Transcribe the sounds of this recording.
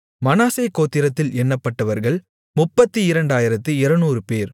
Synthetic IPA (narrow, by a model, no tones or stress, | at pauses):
mɐnaːsɐɪkːoːt̪ːɪɾɐt̪ːɪlɛnːɐpːɐʈːɐʋɐɾɣɐɭ | mʊpːɐt̪ːɯɪɾɐɳɖaːjɪɾɐt̪ːɯɪɾɐnuːɾɯpeːɾ